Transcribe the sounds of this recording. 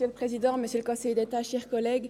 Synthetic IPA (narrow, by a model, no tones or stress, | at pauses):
jøləpχezid̪ɑ̃məsjøləkɔ̃sɛjd̪et̪aʃɛʁkɔlɛɡ